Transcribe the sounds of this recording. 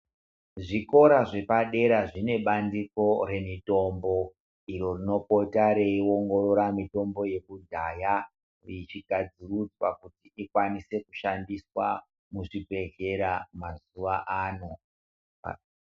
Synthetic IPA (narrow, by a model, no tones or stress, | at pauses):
ʐiko̞ɾaʐe̞paɗe̞ɾaʐine̞ɓandiko̞ɾe̞mito̞mbo̞ | iɾo̞rino̞po̞taɾe̞io̞ŋɡo̞ɾo̞ɾamito̞mbo̞je̞kudʱaja | rit͡ʃiɡʱad͡zirud͡zwakutiikwanise̞kuʃandiswa | muʐibʱe̞ɮe̞ɾamazuʋaʔaːno̞̰